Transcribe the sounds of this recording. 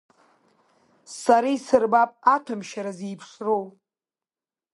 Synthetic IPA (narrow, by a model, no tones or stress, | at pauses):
saɾaisɨrbapʼatʰamʃaɾaziːpʰʂrow